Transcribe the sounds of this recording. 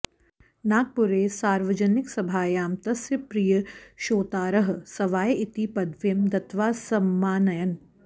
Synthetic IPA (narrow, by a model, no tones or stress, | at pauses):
naːɡ̚pʊɾeːsaːɾʋəd͡ʒənɪksɐbʱaːjaːmt̪ɐsjəpɾijəʃoːt̪aːɾɐɦsɐʋaːjɪt̪ipɐd̪ʋjɐmd̪ɐt̪ʋaːsɐmːaːnɐjən